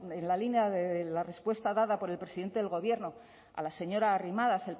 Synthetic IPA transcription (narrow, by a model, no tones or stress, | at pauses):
enlalinjaðeelare̞spwe̞st̪aðaðapo̞ɾe̞lpɾe̞siðent̪e̞ðelɣo̞β̞je̞ɾno̞ | a̰lase̞ɲo̞ɾaːrimaðasel